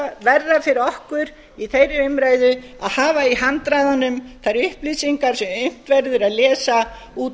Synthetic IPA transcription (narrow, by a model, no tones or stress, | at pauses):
vɛɾðafɪɾɪɔhkʏɾ | iθejɾɪʏmɾaːjðʏ | aðhaːvaiɦant̪ɾaːjðanʏmθaɾʏhplisiŋkaɾ̥sɛmʏm̥t̪vɛɾðʏɾaðlɛːsa | uːt̪